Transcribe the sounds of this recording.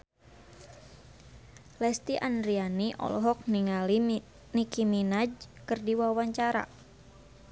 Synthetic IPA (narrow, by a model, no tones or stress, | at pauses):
lɛst̪iʔanɾianiʔɔ̰lɔɦɔk̚niŋali | nikiminad͡ʒkɨrdiwawaɲt͡ʃaɾa̰